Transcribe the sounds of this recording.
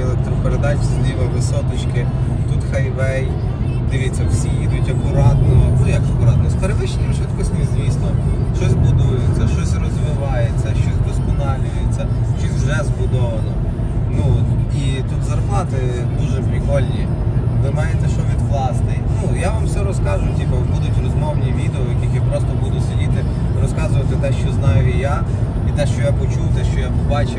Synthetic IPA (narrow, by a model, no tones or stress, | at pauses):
elˠɛk̚t̪ɾɔpeɾed̪ɑt͡ʃsʲd̪ʲiʋɐʋɪsɔt̪ɔt͡ʃkɪ | t̪ut̪xɐjʋɛj | d̪ɪʋʲit͡sʲːɐwsʲijid̪ʊtʲɐkʊɾɑd̪nɔɦɔnujɐkɐkʊɾɑd̪nɔspeɾeʋɪʃenʲɐmʃʋɪt̪kɔsʲtʲizʲʋʲisnˠɔʃt͡ʃɔsʲbʊd̪ujʊt͡sʲːɐʃt͡ʃɔsʲrɔzʋɪʋɑjet͡sʲːɐʃt͡ʃɔsʲd̪ɔskɔnɑlʲʊjet͡sʲːɐʃt͡ʃɔsʲwʒɛzbʊd̪ɔʋɐnɔ | nuit̪ut̪zɐrplˠɑt̪ɪ | d̪uʒɛpɾʲɪkɔlʲnʲi | ʋɪmɑjet̪ɛʃɔʋʲid̪ʋlˠɑsnɪjnujaʋamsɛɾɔskɑʒʊtʲibɐbud̪ʊtʲrɔzmɔwnʲiʋʲid̪eɔjɐkʲixjipɾɔs̬t̪ɔbud̪ʊsʲedʲit̪ɪ | ɾɔskɑzʊʋɐt̪ɪt̪ɛʃt͡ʃɔznɑjʊija | it̪ɛʃt͡ʃɔjapɔt͡ʃuwt̪ɛʃt͡ʃɔjapɔbɑt͡ʃɪ